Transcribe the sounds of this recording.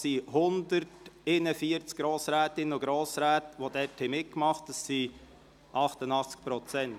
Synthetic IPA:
sihʊnd̪əɾtɪnəfiəɾt͡sk̚ɡ̥ɾoːsɾæːt̪ɪnːəʊɡɾoːsɾæːtʋod̪ɛthɪmɪt̚kmɑχt̚d̥ɑsːi | ʔɑχt̪ənɑχt͡sk̚pɾɔt͡sɛnt

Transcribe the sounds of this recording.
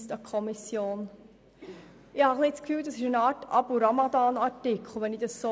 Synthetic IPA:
stɑkʰɔmɪsjoːn | ɪhɑχlit͡skfyːldɑsɪʃənɑːɾtɑbuɾamɑd̪ɑːnɑɾtɪkχl̩ˠʋɛnid̥ɑsso

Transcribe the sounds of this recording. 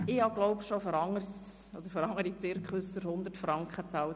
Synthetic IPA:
ɪɑɡlɔʊpʃofɔɾɑŋːəɾs | ɔd̪əɾfɔɾɑŋəɾit͡sɪɾkχʊsəɾhʊnd̪ərtfɾɑŋkχət͡sɑl

